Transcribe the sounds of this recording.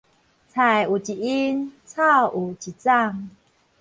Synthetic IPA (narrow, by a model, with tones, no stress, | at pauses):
t͡sʰa˨˩ju˨˩t͡ɕi˨˩i˦nt͡sʰa˥˧u˨˩t͡ɕi˨˩t͡sa˥˧ŋ